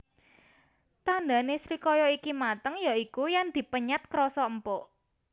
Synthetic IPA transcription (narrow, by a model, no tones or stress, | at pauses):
t̪and̪a̤nesɾikɔjɔikimat̪əŋjaikujaŋd̪̥i̤pəɲat̪̚kɾɔsɔəmpɔʔ